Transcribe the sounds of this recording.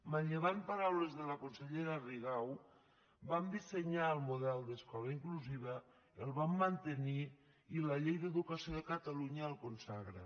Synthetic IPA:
maɲʎeβ̞ampaɾawlezðəlakonseʎeɾariɣaw | bamd̪iseɲaəlˠmuðɛlˠd̪eskɔlaiŋkluziβ̞ə | elˠβamːant̪eniː | laʎejðeðukasioðekat̪aluɲaːlˠkonsaɣɾa̰

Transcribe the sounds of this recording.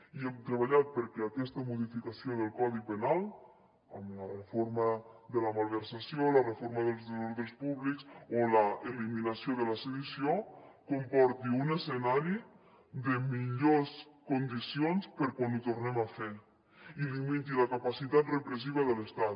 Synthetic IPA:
iɛmt̪ɾəβ̞aʎat̪̚pəɾkɛakɛst̪əmuðifikasioðəlˠkɔðipənalˠ | əmlərəfoɾmaəðəlamalˠβəɾsasiolərəfoɾməðəlˠzðoloɾðɾəspuβliksoləeliminasioðələseðusiokompɔɾt̪iunəsənaɾi | ðəmiʎoskund̪isionspəɾkwanut̪urnɛmafɛ | ilimit̪iləkapasit̪at̪rəpɾəsiβ̞əðələst̪at̪

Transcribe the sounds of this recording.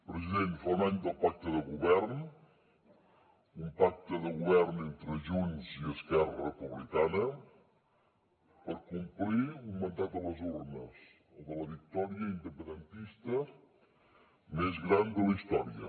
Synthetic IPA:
pɾəziðent̪faunaɲd̪əlˠpak̚t̪əðəɣuβɛɾn | umpak̚t̪əðəɣuβɛrnent̪ɾəʒuɲziəskɛrərəpuβlikanə | pəɾkumpliuŋmənd̪at̪̚ələzuɾnəs | oðələβik̚t̪ɔɾiəind̪əpənd̪ənt̪ist̪ə | mezɣɾand̪ələist̪ɔɾiə̰

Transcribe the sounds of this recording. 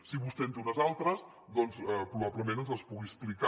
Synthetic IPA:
siβust̪end̪unəzalˠt̪ɾəs | ðɔnsəpɾuβaβləmẽnənzəspuɣiɛsplika

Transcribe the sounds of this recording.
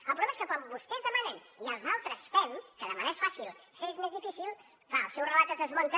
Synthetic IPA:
əlpɾulemeskəkwambust̪ɛzðəmənɛn | iəlˠzalˠt̪ɾəsfɛmkəðəmənɛsfasilˠfezmezðifisilˠ | fasɛwrəlat̪əzðəzmont̪ə

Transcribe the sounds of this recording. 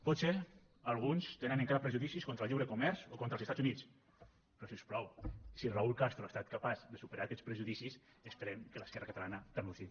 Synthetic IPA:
pɔt̪se | alˠɣunst̪eneneŋkaɾapɾeʒuðisiskont̪ɾəlˠʎiβɾekumɛɾzokont̪ɾəlzest̪ad͡zunit͡s | pɾɔsiəsplɔwsilraulˠkast̪ɾoast̪at̪kapazðəsupəɾaːkɛspɾəʒuðisisəspəɾɛmkələskɛrəkət̪alanət̪anusi

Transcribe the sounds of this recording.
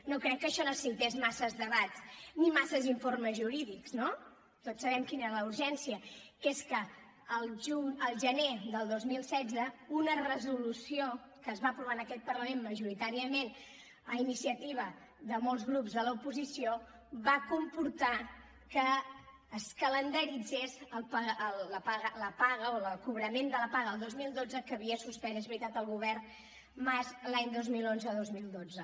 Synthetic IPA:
nokɾɛkːəʃɔnosint̪ezmasəzðəβatt͡snimasəziɱforməzʒuɾiðikzno | t̪otsəβ̞ɛmkineɾələuɾʒɛnsiəkeskəː | lˠʒuɲəlˠʒəneðəlˠd̪ozmilˠsɛd͡zəunərəzulusio | kəːzβaəpɾuβanəkɛt̪̚pərləmenməʒuɾit̪aɾiəmen | əinisiət̪iβ̞ə | ðəmolˠzɣɾupzðələupuzisio | βakumpuɾt̪a | kəː | skələnd̪əɾid͡zesəlˠpəələpaɣələpaɣəoləlˠkuβɾəmend̪ələpaɣəəlˠd̪ozmilˠd̪od͡zəkəβiəsuspɛnezβɾit̪at̪əlˠɣuβɛrn | mazlaɲd̪ozmilonzəðozmilˠd̪od͡zə

